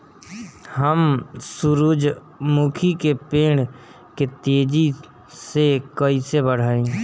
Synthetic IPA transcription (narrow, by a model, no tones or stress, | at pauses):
həmsʊɾuːd͡ʒ | mukʰikepeːɽ | ket̪eːd͡ʒi | sekəisebəɽ̤aːẽː